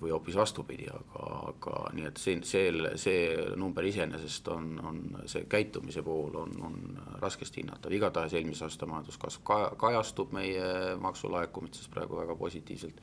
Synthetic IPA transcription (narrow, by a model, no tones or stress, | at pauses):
vɯjo̞pːˑisvɑst̪upid̪̥ḭɑ̰ɡ̥ɑ̰ɑ̰ɡ̥ɑ̰niːe̞t̪ːsinse̞ːlse̞ːnumb̥eɾise̞nʔe̞se̞st̪o̞no̰nse̞̰kæjt̪ˑːumise̞po̞ːlo̞̰no̰nrɑske̞st̪hḭnːɑ̰t̪ːˑɑviɡ̥ɑt̪ɑheselmiseɑːst̪ɑmɑjɑnd̪̥uskɑsvkɑkɑjɑst̪ub̥me̞jemʔɑksṵlɑekːˑumit̪sesprɑ̰ḛɡ̥uvæɡ̥ɑpo̞̰sʲit̪ːˑḭːvse̞lt̪